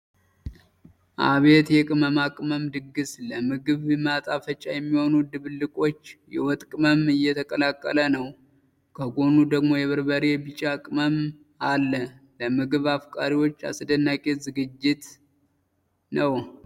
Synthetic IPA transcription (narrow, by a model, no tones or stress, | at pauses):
ʔa̰βe̞t̪jɛkʼɨməmakʼməmd̪ɨɡːɨsləmɨɡɨβmat̪ʼafət͡ʃʼːajɛmːiho̞nud̪ɨβɨlːɨkʼo̞t͡ʃːjɛwɔt̪ʼkʼɨməmɨjɛt̪ʰəkʼəlakʼːə̰lənəw | kʰəɡo̞nud̪əɡmo̞jɛβɨɾbəɾebɨt͡ʃʼakʼɨməm | alːələmɨɡɨβafkʼaɾiwo̞t͡ʃːa̰sɨd̪ənːakʼezɨɡɨd͡ʒːɪt̪ | nəw